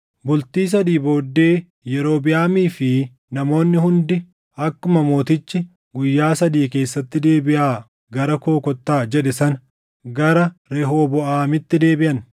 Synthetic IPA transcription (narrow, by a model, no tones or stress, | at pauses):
bʊlt̪iːs̬ɐd̪iːbo̞ːd̪ːe̞ː | jɛɾo̞ːbɪjaːmiːfɪ | nɐmo̞ːnːɪhʊnd̪ɪ | ɐkːʊmɐmo̞ːt̪ɪt͡ʃːɪ | ɡʊjːaːsɐd̪iːke̞ːsːɐt̪ːɪd̪e̞ːbɪʔaː | ɡɐɾɐko̞ːkɔt̪ːaːd͡ʒɛᶑɪsɐn | ɡɐɾɐɾɛɦo̞ːbɔʔaːmɪt̪ːɪd̪e̞ːbɪʔɐn